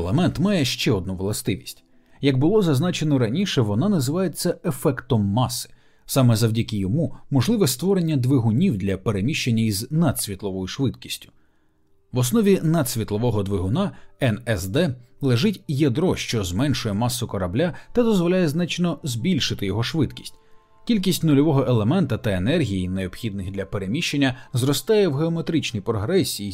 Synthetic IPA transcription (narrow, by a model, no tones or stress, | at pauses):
lˠɐmɛnt̪mɑjɛʃt͡ʃɛɔd̪̚nuʋlˠɐst̪ɪʋʲisʲtʲ | jɐɡ̚bʊlˠɔzɐznɑt͡ʃenɔɾɐnʲiʃɛʋɔnɑnɐzɪʋɑjet͡sʲːɐefɛkt̪ɔmːɑsɪ̥ | sɑmɛzɐwdʲɐkɪjɔmumɔʒlˠɪʋɛst̪ʋɔɾenʲːɐd̪ʋeɦʊnʲiwd̪lʲɐpe̞ɾemʲiʃt͡ʃenʲːɐiznad̪̥sʲʋʲit̪lˠɔʋɔjʊʃʋɪd̪kʲi̥sʲtʲʊ̥ | ʋɔsnɔʋʲinɐd̪sʲʋʲit̪lˠɔʋɔɦɔd̪ʋɪɦʊnɑɛnɛsd̪ɛlˠeʒɪtʲjɐd̪ɾɔʃt͡ʃɔzmɛnʃʊjɛmɑsːʊkɔɾɐblʲat̪ɐd̪ɔzʋɔlʲajɛznɑt͡ʃnɔzbʲilʲʃɪt̪ɪjɔɦɔʃʋɪd̪kʲi̥sʲtʲ | kʲilʲk̬ʲisʲtʲnʊlʲɔʋɔɦɔʔelˠe̞mɛnt̪ɐt̪ɐenɛrɦʲijineɔb̥xʲid̪̚nɪxd̪lʲɐpeɾe̞mʲiʃt͡ʃːe̞nʲːɐzɾɔst̪ɑjɛwɦeɔme̞t̪ɾɪt͡ʃnijpɾɔɦɾɛsʲiji